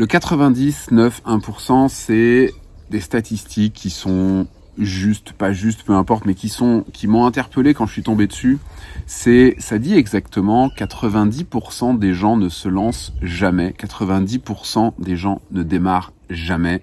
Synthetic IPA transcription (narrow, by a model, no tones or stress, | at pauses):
ləkat̪χəvɛ̃d̪isnœfɛ̃puʁsɑ̃sɛd̪est̪at̪ist̪ʰikʲʰːisɔ̃ | ʒyst̪paʒyst̪pøɛ̃pɔʁt̪mɛkʲisɔ̃kʲimɔ̃ɛ̃t̪ɛʁpəlekɑ̃ʒəsɥit̪ɔ̃bed̪əsysɛsad̪iɛɡzakt̪əmɑ̃kat̪χəvɛ̃d̪ipuʁsɑ̃d̪eʒɑ̃nəsəlɑ̃sʒamɛkat̪χəvɛ̃d̪ipuʁsɑ̃d̪eʒɑ̃nəd̪emaʁ | ʒamɛ